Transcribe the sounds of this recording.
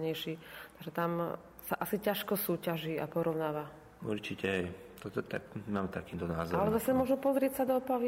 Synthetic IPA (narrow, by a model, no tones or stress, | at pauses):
ɲɛjʃiːt̪aɡʒɛt̪am | saʔasicaʃkɔsuːcaʒia̰pɔɾɔʊnaːʋa | ṵɾt͡ʃicɛɦɛj | t̪ɔt̪t̪a̰kmaːmt̪akiːmt̪ɔna̰ːzalɛzasɛmʊɔʒnɔpɔzɾɪɛcsad̪ɔɔpaʋi